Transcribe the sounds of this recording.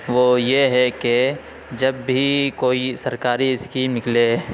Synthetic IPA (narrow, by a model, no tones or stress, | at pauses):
ʋoːjeɦɛke | d͡ʒɐbːʱikoːisɐɾkaːɾiɪskinɪkle